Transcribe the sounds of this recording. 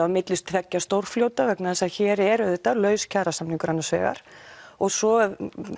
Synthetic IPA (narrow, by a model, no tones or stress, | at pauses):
aðmɪt̪lɪst̪ʰvɛcːast̪owɾ̥fljowt̪avɛknaðɛsaðçɛːɾɛɾʏðɪht̪ːalœːɥscʰaːɾasamniŋkʏɾanːasvɛ̰ːɣa̰ɾ̥ɔɣsɔ